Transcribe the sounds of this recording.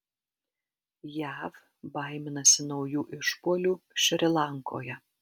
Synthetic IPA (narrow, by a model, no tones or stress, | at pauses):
jæːf | bɐɪmʲɪnɐsʲɪnɔʊjuːʔɪʃpuɔlʲuːʃʲɾʲɪlˠɑŋko̰ːjɛ